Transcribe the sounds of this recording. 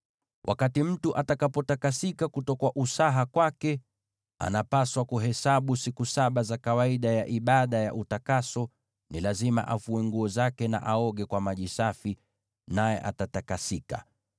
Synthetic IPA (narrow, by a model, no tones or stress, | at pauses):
wʔa̰katim̩tuʔatakapɔtakasikakutɔkwaʔusaɦakwakɛ | a̰napaswakuɦɛsaɓusikusaɓazakawaiɗajaʔiɓaɗaja̰ʔutakasɔ | nilazima̰ʔafuɛŋɡuɔzakɛna̰ʔaɔɠɛkwamaʄisafi | najɛ̰ʔa̰tatakasika̰